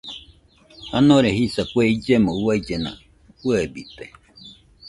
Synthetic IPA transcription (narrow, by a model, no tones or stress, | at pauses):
hanõɾehisakweid͡ʒemõuwaid͡ʒenã̰ | kuebit̪e